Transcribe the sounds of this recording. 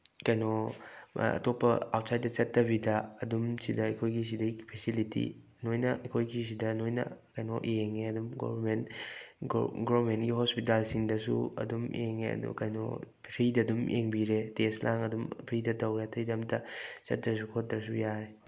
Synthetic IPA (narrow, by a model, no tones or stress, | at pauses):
kɐjno | ɐ̰topːɐa̰wt̚sajt̚dɐt͡ʃɐtːɐbidɐɐdumsidɐːjkʰojɡis̬idɐiɡipʰesilitḭ | nojnɐʔɐjkʰojɡis̬idɐnojnɐ̰kɐjnoʔeŋeɐdumɡo̰bɐɾmen | ɡobɾmentɡiɦospitalsiŋdɐsṵɐ̰dumeŋḛɐ̰dṵkɐjno̰ | pʰɾidɐdumʔeŋbiɾeteslʔaŋɐdumpʰɾidɐdɐwɾeɐtʰɐjdɐmtɐt͡ʃɐ̰t̚dɾɐs̬ukʰot̚d̪ɾɐsujaɾe